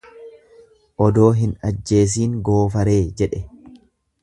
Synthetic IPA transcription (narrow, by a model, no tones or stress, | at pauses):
ʔɔd̪o̞ːɦɪnɐ̰d͡ʒːe̞ːs̬iːŋɡo̞ːfɐɾe̞ːd͡ʒɛᶑɛ